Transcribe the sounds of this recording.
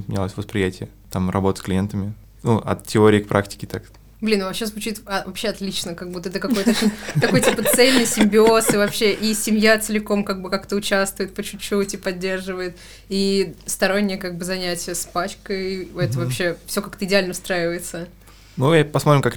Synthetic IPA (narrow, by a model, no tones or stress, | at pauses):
pmʲɪnʲalˠəsʲvəspɾʲɪjætʲɪjə | t̪amrɐbo̞t̪əsklʲɪjent̪əmʲɪ | nuʔɐ̰t̪tʲːɪoɾʲɪːkpɾʔa̰ktʲɪ̥kʲɪt̪ak | blʲinvɐpɕːezvʊt͡ɕit̪ɐvɐpɕːeɐt̪lʲit͡ɕnəkaɡ̚but̪əɛt̪əkɐko̞jt̪əot͡ɕinʲt̪ɐko̞jtʲipət̪sɛlʲnɨjsʲɪmʲbʲɪo̞sɨvɐpɕːe̞ʔisʲɪmʲjat̪sɨlʲɪko̞mkaɡ̚bɨkakt̪əʊt͡ɕast̪vʊjɪt̪̚pət͡ɕʉt͡ɕːut̪ʲipɐdʲːe̞rʐɨvəjɪt̪ | ist̪ɐɾonʲːɪjəkaɡ̚bɨzɐnʲætʲɪjəspat͡ɕkəjɛt̪əvɐpɕːe̞fsʲo̞kakt̪əɪdʲɪalʲnəʊst̪ɾajɪvəjɪt̪sə | nujapɐsmt̪ɾʲɪmkak